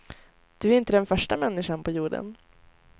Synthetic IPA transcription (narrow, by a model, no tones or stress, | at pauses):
d̪̥ɵæɾɪnt̪əd̪ɛnfœʂʈamɛnːɪʂanpʰɔjuːɖə̰n